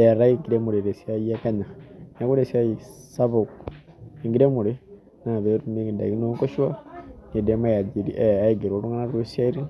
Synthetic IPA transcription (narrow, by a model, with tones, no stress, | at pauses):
e˨ɾa˦iŋɡiɾemu˨ɾiɾe˨siajiakana˨na˦ku˦ɾe˨sia˦jisa˦βo˨k | iŋɡiɾemuɾi | na˨βeɾumi˦nda̰˨ji˦noŋkoʃwa˦ni˨demaja˨d͡ʒi˨ɾi˦ʔea˦iɡe˨ɾwoɾu˦ŋɡa˦na˦ɾe˦sa˦i˦ɾi